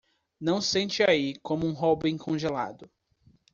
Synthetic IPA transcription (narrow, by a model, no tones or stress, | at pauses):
nɐ̃w̃sẽnt͡ʃɪaikõmʊũɦɔbẽkʰõʒela̰d̪ʊ